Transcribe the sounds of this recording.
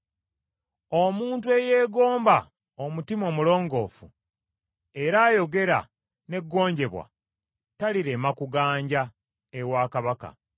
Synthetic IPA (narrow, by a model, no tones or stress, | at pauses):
omuːntue̞je̞ːɡo̞ːmba | omutimo̞mulo̞ːŋɡo̞ːfṵ | e̞ɾaːjo̞ɡe̞ɾa̰ | ne̞ɡːo̞ːɲɟe̞βwa̰ | taliɾe̞ːmakuɡaːɲɟa | ewaːkaβaka̰